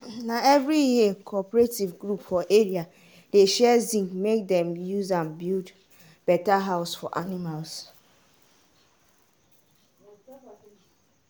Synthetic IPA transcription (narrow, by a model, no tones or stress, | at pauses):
nãɛvɹijiekʰɔpɹetivɡɾupfɔʔeɾia | deʃɛzĩŋmek̚dɛ̃mjuzãnbild | b̥ɛtaɦaʊsfɔ̰ʔanimals